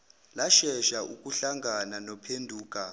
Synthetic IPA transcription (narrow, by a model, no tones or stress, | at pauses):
laʃɛʃaʔuk̬ʼuɬaŋɡʱananɔpʰendʱuːk̬ʼa